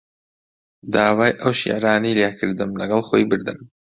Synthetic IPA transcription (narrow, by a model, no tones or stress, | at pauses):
d̪aːwaːjʔɐwʃḭʕɾaːnijljakʰɨɾd̪ɨmlɐɡɐlˠχoːjbɨɾd̪ɨm